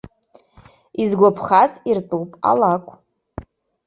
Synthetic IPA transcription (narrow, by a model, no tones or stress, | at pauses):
izɡʷapʰχazirtʼuwpʼa̰lakʷʼ